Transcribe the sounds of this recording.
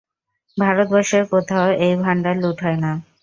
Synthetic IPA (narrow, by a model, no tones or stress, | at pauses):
bʱaɾot̪̚bɔɾʃeɾkot̪ʰaoʔejbʱaɳɖaluʈʰɦɔena